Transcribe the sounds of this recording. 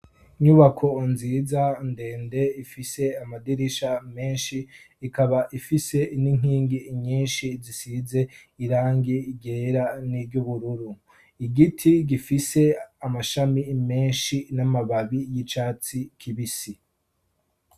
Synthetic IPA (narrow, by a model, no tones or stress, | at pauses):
iɲuβakʰo̞nziːzande̞ːnde̞ifise̞amadiɾiʃame̞ːnʃiː | kaβaʔifise̞iniŋ̥hiːŋɡiɲiːnʃizisize̞iɾaːŋɡiɟeːɾanibɟuβuɾuɾu | iɡitʰiɡifise̞amaʃamime̞ːnʃinamaβaβijit͡ʃaːt͡sikʰiβisi